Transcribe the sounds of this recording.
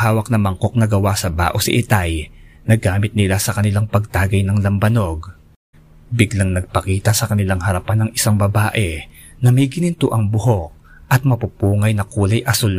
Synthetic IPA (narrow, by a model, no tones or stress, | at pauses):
haːwɐk̚nɐmɐŋko̞k̚nɐɡɐwasɐba̰ːʔosɪ̰ʔɪt̪ajnɐɡaːmɪt̪̚nɪlasɐkɐnɪlaŋpɐɡ̚t̪aːɡɐjnɐŋlɐmbɐno̞ɡ | bɪɡlaŋnɐɡ̚pɐkiːt̪ɐsɐkɐnɪlaŋhɐɾɐpanːɐŋɪsaŋbɐbaːʔɛ | nɐmɐjɡɪnɪnt̪ʊʔɐŋbʊɦo̞k̚ | ʔɐt̪̚mɐpupuːŋɐjnɐkuːlɐjʔɐsol